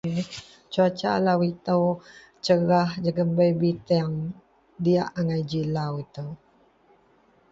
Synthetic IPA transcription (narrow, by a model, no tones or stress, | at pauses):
t͡ʃuat͡ʃa̰lawit̪əw | t͡ʃəɾahd͡ʒəɡəmbəjbit̪ɛŋ | diaʔaŋajd͡ʒilawit̪əw